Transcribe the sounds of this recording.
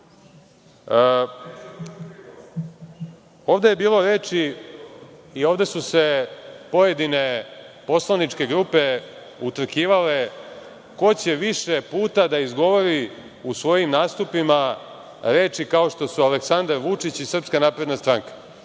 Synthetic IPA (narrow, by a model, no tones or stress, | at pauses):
o̞ːʋd̪eje̞biːlˠo̞ɾe̞ːt͡ʃi | io̞ʋd̪e̞suse̞po̞jed̪ine̞po̞slˠanit͡ʃke̞ɡɾupe̞ | ut̪r̩kiːʋale̞ | ko̞t͡ɕe̞ʋiʃe̞puːt̪ad̪aizɡo̞ʋoɾi | usʋo̞jimnaːst̪upima | ɾe̞ːt͡ʃikao̞ʃt̪o̞sualeksand̪aɾʋut͡ʂit͡ɕisr̩pskanaːpɾe̞d̪nast̪ɾaŋkḁ